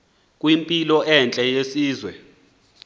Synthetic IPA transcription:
kʼwimpʼilɔʔɛnt͡ɬʼɛjesiːzwɛ

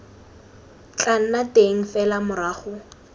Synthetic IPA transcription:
t͡ɬʼan̩natʼeŋ̩fɛlamʊɾaːχʊ

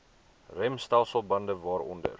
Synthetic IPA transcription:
rɛmstælˠsəlˠbɐndəvɑːɾɔ̰ndə̰r

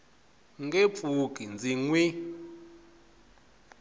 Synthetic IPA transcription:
ŋɡep̪fuk̬ʼind͡zʱiŋwi

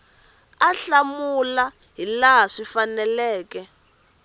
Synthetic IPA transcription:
aɬamula | ɦilaɦaʂifanɛlɛːkɛ

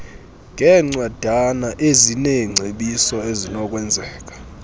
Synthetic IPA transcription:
ŋʱɛŋ͡ǀwad̥ʱanaʔezineŋ͡ǀʱeɓisɔezinɔk̬ʼwɛnd͡zʱɛːk̬ʼḁ

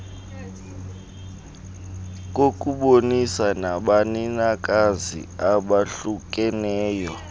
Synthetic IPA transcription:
k̬ʼok̬ʼuɓonisanaɓaninak̬ʼazḭaɓaɬuk̬ʼɛnɛːjɔ

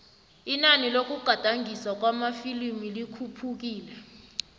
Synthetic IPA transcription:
inanilok̬ʼuɡ͡ǃ̥ʱad̥ʱaŋɡʱiswak̬wamafilimilikʰupʰuk̬iːlɛ

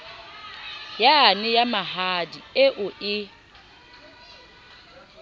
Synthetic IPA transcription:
janɪjamaɦadieʔʊʔɪ

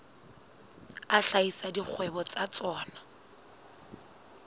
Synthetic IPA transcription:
aɬaisadik͡xʰwɛbɔt͡sat͡sɔːna

